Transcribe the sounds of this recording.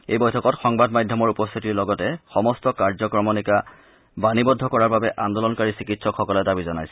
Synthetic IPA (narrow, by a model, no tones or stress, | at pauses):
ejbɔjtʰɔkɔtxɔŋbadmadʱjɔmɔɹupɔst̪ʰitiɹlɔɡɔtɛxɔmɔstɔkaɹzɔkɹɔmɔnika | banibɔdʱɔkɔɹaɹbabɛʔand̪ɔlɔnkaɹisikitsɔkxɔkɔlɛdabizɔnajsɛ